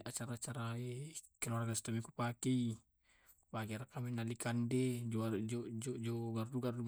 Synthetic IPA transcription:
at͡ʃaɾat͡ʃaɾaekɛlaɾaɡast̪amikupakɛi | pakiaɾakaminalikandɛd͡ʒɔad͡ʒɔd͡ʒɔd͡ʒɔɡarduɡardu

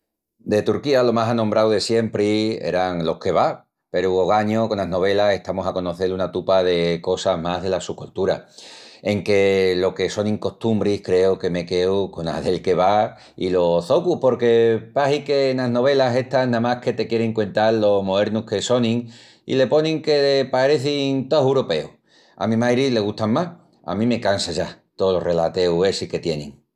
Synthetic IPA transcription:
d̪e̞t̪uɾkialo̞masanõmbɾawðe̞sje̞mpɾiḛɾaŋlo̞hke̞βa | pe̞ɾuoɣaɲoko̞naɦno̞β̞e̞lase̞ht̪amo̞sako̞no̞θe̞lunat̪upaðe̞ko̞saɦmaɦðe̞lasukolt̪uɾa̰e̞ŋke̞lo̞ke̞so̞nĩŋko̞st̪umbɾihkɾe̞oke̞me̞ke̞uko̞na̰ðe̞lke̞β̞a | ilo̞θokupo̞ɾke̞paɦikenaɦno̞β̞e̞lase̞ht̪aɦnãmahke̞t̪e̞kje̞ɾeŋkwent̪allːo̞zmoeɾnuke̞so̞nĩŋ | ḭle̞po̞nĩŋke̞epaɾe̞θiŋt̪oɦewɾope̞u | a̰mĩmajɾile̞ɣ̞uht̪aŋmah | a̰mĩme̞kansaʝat̪olore̞lat̪e̞ue̞sike̞t̪je̞nḭ̃ŋ

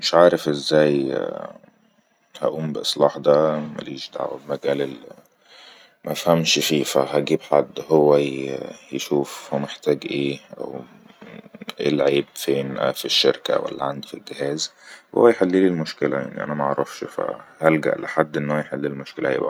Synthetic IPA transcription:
meʃʕaːɾefʔezːæːj | hæ̰ʔuːmbeʔesˤlɑːħd̪æmæ̰liːʃd̪a̰ʕwæ̰bmæɡæːlelːi | mʔæfhæmʃfiːfæɦæɡiːbħa̰d̪ːhowːæjeʃuːfhmeħt̪æːɡʔeːʔæ̰w | ʔḛlʕiːbfeːnʔæ̰fiʃːeɾkæ̰wæ̰lːæʕand̪filɡehæːzwho̰ːæjeħelːiːlilmoʃkelæ̰ja̰ʕnḭʔæ̰næmæʔʕɾˤɑfʃfæ̰hælɡæ̰ʔleħad̪ːʔenːhowæjeħelːilmoʃkelæḛbʔæ̰

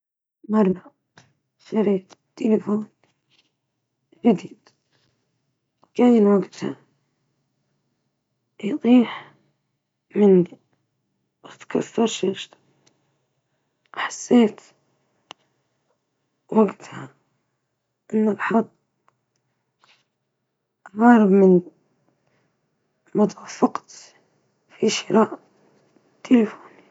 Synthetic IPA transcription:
mɑrˤːɑ | ʃaɾiːtt̪ːelɪfoːn | d͡ʒɪd̪iːd̪ | kaːjɪnwaɡt̪ha̰ | jt̪ˤiːħ | mɪnːi | wat̪kʰɑsˤːɑɾˤʃeʃt̪ | ħḁsːeːt̪ | waɡt̪ha | ʔɪnːalħɑd̪ˤ | ʔɑɣɑːɾɪbmɪn | mʊt̪ˤafɑqt̪ | fiʃɪɾaːʔ | t̪ʰːelɪfoːn

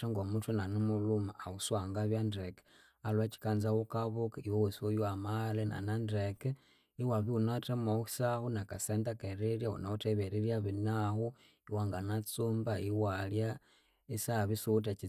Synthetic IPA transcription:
aŋɡomutunanumulumaːuswaŋɡaβjandɾek | alwat͡ʃi̥kanzawokaβukaiwowesiwojuamalena̰nandɾek | iwaβiunatemaxi̥sahunakasendakeɾeljaṵnauteβeɾiljaβinahu | iwaŋɡanat͡suːmbaiwalja | isaβisut̬at͡ʃi

